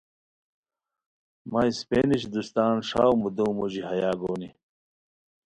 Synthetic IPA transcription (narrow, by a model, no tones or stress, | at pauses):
mɐispeːniɕd̪ust̪aːnʂa̰ːwmud̪uwmuʑiɦɐjaːɡoːni